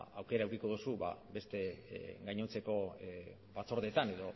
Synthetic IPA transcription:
awke̞ɾaewkiko̞ð̞usuβa̰be̞st̪e̞ɡajɲot͡se̞ko̞ | βat͡so̞ɾðe̞t̪ane̞ðo̞

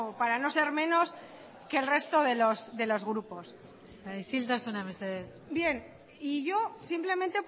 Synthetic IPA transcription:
paɾano̞se̞ɾmẽ̞no̞s | ke̞ːlre̞st̪o̞ðe̞losðe̞lo̞zɣɾupo̞s | aisilt̪asunameseðeθ | bje̞n | iʝo̞simple̞mẽnt̪e̞p

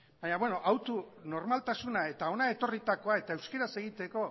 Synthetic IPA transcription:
baɲaβweno̞ʔawt̪uno̞ɾmalt̪asunae̞t̪ao̞nae̞t̪o̞rit̪ako̞ae̞t̪aewske̞ɾase̞ɣ̞it̪e̞ko̞

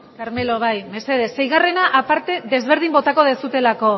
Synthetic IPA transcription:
kaɾme̞lo̞βajme̞se̞ð̞e̞sːe̞jɣare̞naʔapaɾt̪e̞ðe̞zβ̞e̞ɾð̞imbo̞t̪ako̞ð̞e̞sut̪e̞lako̞

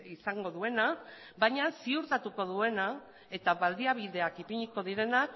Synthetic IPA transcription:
isaŋɡo̞ðue̞na | baɲasiuɾt̪at̪uko̞ðue̞na | e̞t̪aβald̪iaβ̞iðe̞akipiɲiko̞ðiɾe̞nak

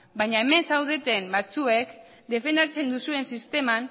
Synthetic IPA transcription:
bajɲaeme̞nsawðe̞t̪e̞mbat͡sue̞k | d̪e̞fe̞nd̪at͡se̞nd̪usue̞nsist̪e̞man

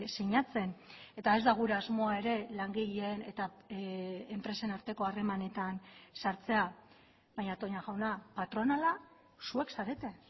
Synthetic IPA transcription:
seɲat͡se̞ne̞t̪ae̞zd̪aɣ̞uɾeazmo̞ae̞ɾe̞laŋɡeʎiene̞t̪aː | mpɾe̞se̞naɾt̪e̞ko̞are̞mane̞t̪ansaɾt͡se̞a | βajɲat̪o̞ɲaɣawnapat̪ɾo̞nala | sue̞ksaɾe̞t̪e̞

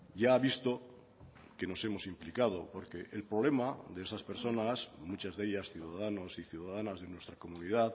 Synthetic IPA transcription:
ɟ͡ʝaːβist̪o̞ | ke̞no̞se̞mo̞simplikað̞o̞po̞ɾke̞ʔelpɾoβ̞le̞maðeesaspe̞ɾso̞nasmut͡ʃazðe̞ʎasθjuðaðano̞siθjuðaðanazðe̞nwest̪ɾako̞munið̞að

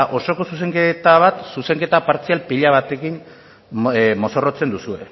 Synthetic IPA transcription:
ʔo̞so̞ko̞sus̬e̞ŋket̪aβat̪suse̞ŋke̞t̪apaɾt͡sialpiʎaβ̞at̪e̞kin | mo̞so̞rot͡se̞nd̪usue̞̰

